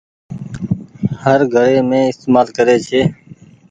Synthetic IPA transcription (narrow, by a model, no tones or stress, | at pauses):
həɾɡʱəɾeːmẽːɪst̪eːmaːlkəɾeːt͡ʃʰeː